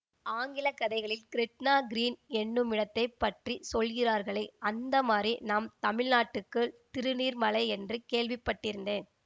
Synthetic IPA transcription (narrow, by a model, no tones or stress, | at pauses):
aːŋɡɪlɐkːɐðɐɪɣɐɭɪlkɪɾɪʈnaːɡɪɾiːnɛɳːɯmɪɽɐt̪ːɐɪpːɐʈrisɔlɣɪraːɾɣɐɭɐɪɐnd̪ɐmaːrinaːmt̪ɐmɪɭnaːʈːɯkːɯt̪ɪɾɯniːɾmɐlɐɪɛndrɯkeːɭʋɪpːɐʈːɪɾɯnd̪eːn